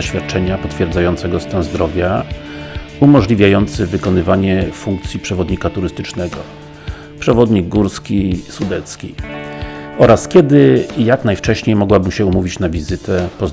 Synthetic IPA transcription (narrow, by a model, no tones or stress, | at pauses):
aɕfʲjat̪̚t͡ʂɛɲapɔt̪fʲjɛɾd̪zajɔnt̪sɛɡɔst̪anzd̪ɾɔvʲja | umɔʐlʲivʲjajɔnt̪sɘvɘkɔnɘvaɲɛfuŋk̚t̪sʲjipʂɛvɔd̪ɲikat̪uɾɘst̪ɘt͡ʂnɛɡɔ | pʂɛvɔd̪ɲiɡːuɾskʲisud̪ɛt̪skʲi | ɔɾaskʲɛd̪ɘjaknajft͡ʂɛɕɲejmɔɡwabɘmɕɛumuvʲit͡ɕnavʲizɘt̪ɛpɔz